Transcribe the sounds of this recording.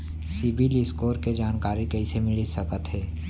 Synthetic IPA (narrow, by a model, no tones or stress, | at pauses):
sɪbɪliskoːɾked͡ʒaːnkaːɾikɛːsemɪlisɐkət̪ɦɛː